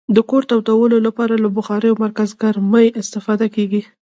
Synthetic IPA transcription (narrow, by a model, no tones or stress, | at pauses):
d̪əkoɾt̪awt̪awəlolapɑɾalabʊxɑɾəjomaɾkazɡaɾməjɪst̪ɪfɑd̪akeɡi